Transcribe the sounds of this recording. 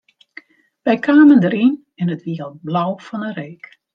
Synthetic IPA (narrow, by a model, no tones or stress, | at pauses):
ʋɛjkʰaːməndəɾin | ɛnətʋiəlˠblawfɔnəreːk